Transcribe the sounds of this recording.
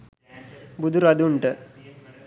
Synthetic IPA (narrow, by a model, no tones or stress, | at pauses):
bud̪ʱuɾɐd̪uɳʈə